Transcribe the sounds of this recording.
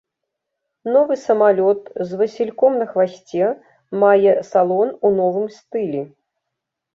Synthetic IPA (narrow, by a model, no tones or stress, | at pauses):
nɔvɨsɐmalʲɔt̪zvɐsʲilʲkɔmnɐxvasʲt͡sʲɛ | majɛsalˠɔnunɔvɨmst̪ɨlʲi